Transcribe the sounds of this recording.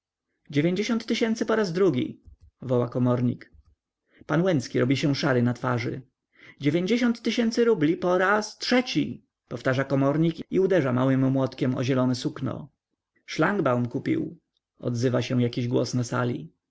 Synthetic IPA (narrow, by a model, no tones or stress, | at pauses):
d͡ʑevʲjeɲd͡ʑeɕɔnt̪ːɘɕɛnt̪sɘpɔɾazd̪ɾuɡʲḭ | vɔwakɔmɔɾɲḭk | panwɛnt̪skʲiɾɔbʲiɕɛw̃ʂaɾɘnat̪faʐɘ̰ | d͡ʑevʲjeɲd͡ʑeɕɔnt̪ːɘɕɛnt̪sɘɾublʲipɔɾastʂɛt͡ɕḭ | pɔft̪aʐakɔmɔɾɲikiud̪ɛʐamawɘmːwɔt̪kʲɛmɔ̰ʑɛlɔnɛsuknɔ̰ | ʂlaŋɡbawmkupʲḭw | ɔ̰d̪zɘvaɕɛw̃jakʲiʑɡwɔ̰snasa̰lʲḭ